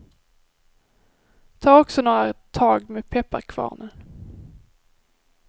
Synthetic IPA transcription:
t̪ʰɑːɔksɔnoːɾat̪ʰɑːɡmɛːpʰɛpːaɾkʰvɑ̰ːnə

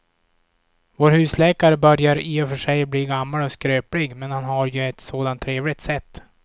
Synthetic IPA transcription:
voːɾhʉ̟ːslɛːkaɾəbœɾjaɾiːɔfœʂɛjbliːɡamːalɔskɾøːplɪɡmɛnhanɦaɾjɵɛt̪soːd̪ant̪ʰːɾeːvlɪt̪sɛt̪ː

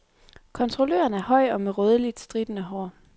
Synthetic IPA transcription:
kʰɒ̽nt͡sʰʁo̝lø̰ːɐnæɐhɒ̽ɪ̰ɒ̽meʁœːð̞ˠəlid̥sd̥ʁid̥nəɦɒ̰ː

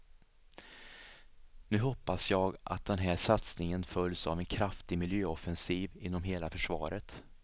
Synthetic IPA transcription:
nʉ̟ːɦɔpːasjɑːɡʔa̰t̪̚d̪ɛnɦæːʂat̪snɪŋənfœlːsa̰vɛnkʰɾaft̪ɪmɪljøːɔfɛnsiːvɪnːɔmɦeːlafœʂvɑ̰ːɾət̪

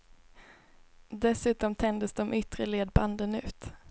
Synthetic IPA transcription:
d̪ɛsʉ̟ːt̪ɔmt̪ʰɛnd̪əsd̪ɔmʔʏt̪ɾəleːd̪̚band̪ənʉ̟ːt̪

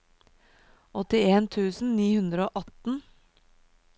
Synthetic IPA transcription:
ɔt̪ɪeːnt̪ʰʉːsn̩niːhʉnd̪ɾəoːʔɑt̪n̩

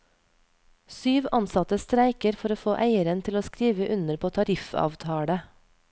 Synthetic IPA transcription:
syːʋɑnsɑt̪əst̪ɾæɪkəɾfɔɾoːfoːʔæɪəɾənt̪ʰɪloːskɾiːʋəʔʉnəɾpʰoːt̪ʰɑɾɪfɑ̰ːʋt̪ʰɑːɽə

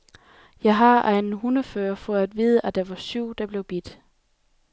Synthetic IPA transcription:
jɑ̈ɪɦɑ̈ʔænnɦunɐfɶːɐfɒ̽æd̥ʋiːðˠəʔæd̥ɑʋɑ̈syʊ̰d̥ɑ̈b̥le̝ʊb̥id̥

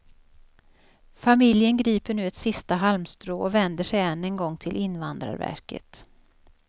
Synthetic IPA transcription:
famɪljənɡɾiːpəɳʉ̟ːɛt̪sɪst̪aɦalmst̪ɾoːɔvɛnd̪əʂɛjɛnːɛnɡɔŋːt̪ʰɪlʔɪnvand̪ɾa̰ɾvæ̰ɾkə̰t̪

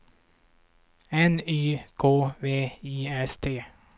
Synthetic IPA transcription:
ɛnyːkʰoːveːiːɛst̪ʰeː

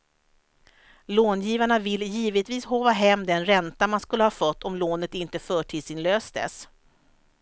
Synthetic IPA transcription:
loːnjiːvaɳavɪlːjiːvət̪viːshoːvaɦɛmːd̪ɛnɾɛnt̪amanskɵlːəhɑfœt̪ːɔmloːnət̪ɪnt̪əfœːʈʰiːd̪sɪnløːsd̪ə̰s

